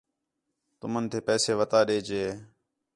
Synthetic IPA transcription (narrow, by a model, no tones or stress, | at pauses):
t̪ʊmənt̪ʰeːpɛːseːʋət̪aːɗeːd͡ʒeː